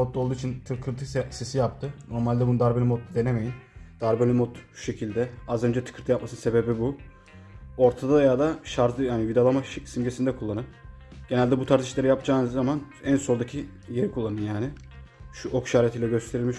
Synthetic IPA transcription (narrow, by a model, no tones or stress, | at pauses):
ot̪lˠolˠd̪uːit͡ʃʰint̪ʰɯɾkʰɯɾt̪ʰɯsesijap̚t̪ʰɯno̞ɾmalʲd̪ɛbunɯd̪aɾbelʲimot̪̚ːd̪e̞neme̞jind̪̥aɾbelʲimot̪u̥ʃe̞cʰilʲd̪ɛazø̞nd͡ʒɛt̪ʰɯ̥kʰɯɾt̪ʰɯjap̚masɯnɯse̞bebibu | o̞ɾt̪ʰad̪ajad̪aʃaɾt̪ɯjanivid̪alˠamaʃsimɟesind̪ɛkʰulˠːanɯp | ɟ̥enælʲd̪ɛbut̪ʰaɾt̪ʰiʃlʲˠeɾijap̚d͡ʒaːnɯzːaman | ænso̞lˠd̪acʰi | je̞ɾikʰulˠːanɯnjaːnɪ | ʃuʔokʃaːɾet̪ʰiːlʲɛɟøst̪ʰe̞ɾilʲmiʃ